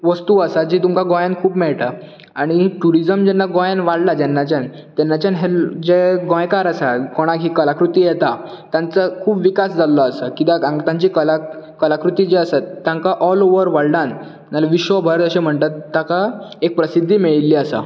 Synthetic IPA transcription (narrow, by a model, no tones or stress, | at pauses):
ʋəst̪uːəsad͡ʑiːt̪umkaɡɔ̃jankʰuːpmɛɭʈ̪a | aɽ̃iʈuɾid͡zəmd͡ʑɛnːaɡɔ̃janʋaɽlad͡ʑɛnːat͡ɕãn | t̪ɛnːat͡ɕanɦeld͡ʑeɡɔ̃jkaɾəsakoɽ̃aɡɦiːkəlakɾut̪iːjɛt̪a | t̪jãnt͡səkʰuːpʋikasd͡zalːɔəsəkit̪aãŋt̪ãɲt͡ɕiːkəla | kəlakɾut̪iːd͡ʑeəsat̪ːjãŋkaʔɔloʋəɾʋaɽlan | nalʋiɕʋəbʱəɾd͡z̪əɕem̤əɳt̪at̪ːakaek̚pɾəsid̪ʱːiːmiɭilːiːəsa̰